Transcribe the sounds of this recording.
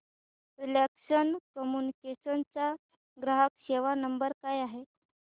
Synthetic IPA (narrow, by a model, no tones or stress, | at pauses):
ɾilekɕənkəmunikeɕənt͡sa | ɡɾaɦəkɕeʋanəmbəɾkajaɦe